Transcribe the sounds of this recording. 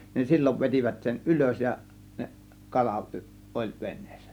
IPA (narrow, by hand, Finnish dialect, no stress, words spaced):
nin silʲːoʋ ʋetʲiʋæt sen ʔyløs jɑ neʔ kɑlɑ ʔolʲ ʋenˑe̥ːsːæ̥